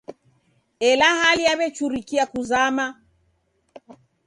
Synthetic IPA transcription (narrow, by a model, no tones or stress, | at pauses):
ɛlahaliaβɛt͡ʃuɾikiakuzama